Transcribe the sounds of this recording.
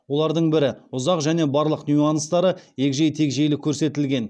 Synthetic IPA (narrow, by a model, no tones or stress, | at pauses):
wo̞lˠɑɾd̪əɴbɪɾɪʊzɑqʒæne̞bɑɾlˠəqnʲuɑnst̪ɑɾəje̞kʒejt̪ʰe̞kʒejlɪkʲʰːɵɾse̞t̪ɪlɡʲe̞n